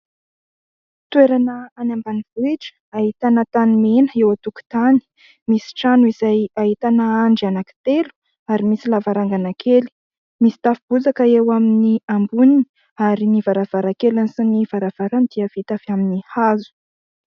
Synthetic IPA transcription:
t̪uweɾanəanambaniv̥uiʈ͡ʂə̥aɦit̪anət̪animenəewat̪uku̥t̪ani̥ | misi̥ʈ͡ʂanuizajaɦit̪anəaɳɖ͡ʐanaki̥t̪elu̥ | aɾimisilavaɾaŋɡanakʰeli̥ | misi̥t̪afib̥ud͡zakəewaminiambunini̥ | aɾinivaɾav̥aɾakelanisiniv̥aɾav̥aɾand̪iav̥it̪afiaminihazu̥

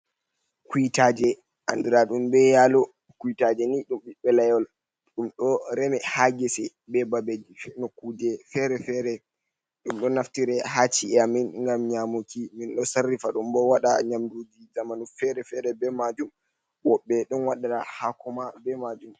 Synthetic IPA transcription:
kujitaːd͡ʒɛ | ʔa̰ndiɾaɗumbɛjalɔ | kujitad͡ʒɛniɗumɓiɓɛlajɔl | ɗumɗɔɾɛmɛhaɡɛsɛ | bɛbabed͡ʒifnokːudɛfɛɾɛfɛɾɛ | ɗumɗɔnaftiɾɛɦat͡ʃːiɛaminŋɡamɲamukiminɗɔsarːifaɗumbɔwaɗa̰ɲamdud͡ʒizamanufɛɾɛfɛɾɛbɛmad͡ʒum | wɔɓːɛɗunwaɗaɗahakɔmabɛmad͡ʒum

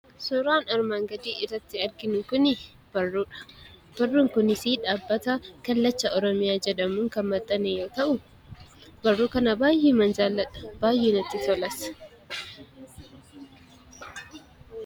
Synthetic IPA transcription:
sʊɾaːnɐɾmaːŋɡɐd̪iːʔɪrːɐt̪ːɪɐɾɡɪnʊkʊnɪ | b̥ɐrːuːᶑɐ̥ | b̥ɐrːuːŋkʊnɪsiᶑaːbːɐt̪ɐkɐlːɐt͡ʃːɐʔɔɾɔmɪjaːd͡ʒɛd̪ɐmuːŋkɐnmɐt̪ʼːɐnejo̞ːt̪ɐʔʊ | bɐrːuːkɐnɐbaːjːeːmɐnd͡ʒaːlːɐt̪ʼɐ̥b̥aːjːeːnɐt̪ːɪtɔlɐsɐ̥

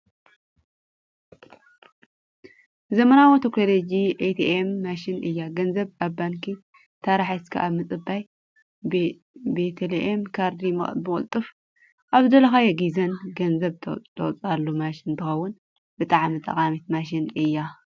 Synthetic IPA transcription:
zɐmɐnawot̪ʰeklolod͡ʒiʔet̪ʰiʔemːaʃɪnɨjːaɡɐnzɐβaβbaŋkʰi | t̪ʰaɾaħaskʰa̰ʔaβmɨt͡sʼɨbːaj | bet̪ʰeleʔemkʰaɾd̪imɨ̰bɨkʼɨ̰lt̪ʼɨf | ʔaβd̪ɐlɐxajɛɡizɐnɡɐnzɐβt̪ʰɐw̰t͡sʼalːumaʃɪnt̪ʰɨxɐwːʊn | b̥ɨt̪ʼaʕmit̪ʼɐ̰kʼamit̪̚maʃ̬ɪnɨjːa

